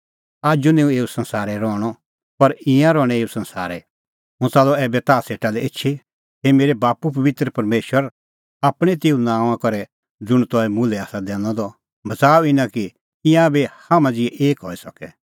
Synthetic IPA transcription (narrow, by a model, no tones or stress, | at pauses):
aːd͡ʒunẽũeːusɐ̃nsaːɾɛɾɔːɽ̃ɔ | pɐɾɪ̃jãɾɔːɽ̃ɛeːusɐ̃nsa̰ːɾɛ | mʊ̃t͡saːlɔɛːbɛt̪aːseːʈalɛetːʃʰi | ɦemeːɾebaːpup̬ɐʋɪt̪ɾəpɐɾmeːʃwəɾ | aːpɽ̃ɛt̪̬eːũnãːãkɔɾɛ | d͡zʊɽ̃t̪ɔɛmʊlɛaːsad̪ɛ̃ːnɔ̃d̪ɔ | bɐt͡saːuɪnãki | ɪ̃jãbehaːmãd͡zɪɛʔeːkɦɔisɐkɛ